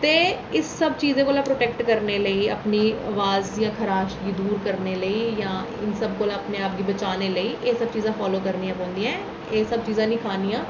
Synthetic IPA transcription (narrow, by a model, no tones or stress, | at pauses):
t̪eː | ɪsːəbt͡ʃiːzẽːkoːlãːpɾoːʈɛːk̚ʈkəɾneːləiːə̰pniːəʋaːzjãːkʰəɾaːʃɡiːd̪uːɾkəɾneːləiːjãː | ɪ̰nsəb̚koːlaːəpneːaːp̚ɡiːbət͡ʃaːneːləiːʔeːsəb̚t͡ʃiːzãːfʰaːloːkəɾnijãːpõːnd̪iːãː | eːsəb̚t͡ʃiːzãːnĩːkʰaːniːãː